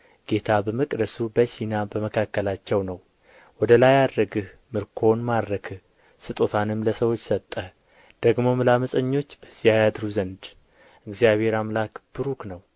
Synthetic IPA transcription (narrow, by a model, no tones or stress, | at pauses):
ɡ̥e̞t̪ʰabəməkʼd̪əsubəʃinabəməkʰakːəlat͡ʃːɛwnəw | wɔd̪əlajad̪ɾəɡɨh | mɨɾkʰo̞nmad̪ɾəkʰɨh | sɨt̪ʼo̞t̪ʰanɨmləsəwo̞t͡ʃːsət̪ʼːə | d̪̥əɡmo̞mɨlaməsʼəɲːo̞t͡ʃːbəsijajad̪ɾuzənd̪ | ɨɡzijaβhe̞ɾamlakb̥ɨɾuknəw